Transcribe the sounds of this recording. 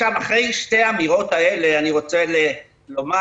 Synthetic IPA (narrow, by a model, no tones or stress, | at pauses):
amaχʁejʃteaːmiʁo̞t̪aeleaniʁo̞t͡sele | lo̞ma